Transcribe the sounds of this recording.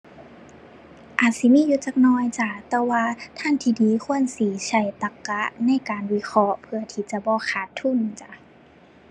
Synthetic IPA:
ʔaː˨˩t̪̚si˧˦miː˧˥˨juː˧˦t͡ɕaː˧k̚nɔː˧˩˨jt͡ɕa˧˩t̪ɛː˧waː˧t̪ʰa˧˥˨nt̪ʰiː˧diː˨˦kʰu˧˥˨ənsiː˨˩˦t͡ɕa˧˩jt̪a˧˦kːa˧˦˥ʔna˧˥˨jkaː˨nwi˧˦xʰɔ˧˥ʔpʰɯ˧ɐt̪ʰiː˧˩t͡ɕa˧˦bɔː˧˦xʰaː˧˩˦t̪ʰːu˧˥˨nt͡ɕa˧˩

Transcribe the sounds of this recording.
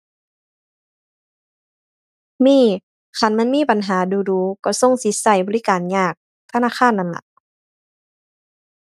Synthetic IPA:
miː˧˥˨ | xʰa˧˩˨nma˧˥˨nmiː˥˨pa˨nɦaː˨˦duː˨˧˦duː˨˦kɔ˧˩so˧˥˨ŋsi˨˦sa˧˩jbɔː˨˦li˦˥kaː˨nɲaː˧˩k̚ | t̪ʰa˧naː˧˥˨aː˧˥˨nːa˧˩mla̰˧˦ʔ

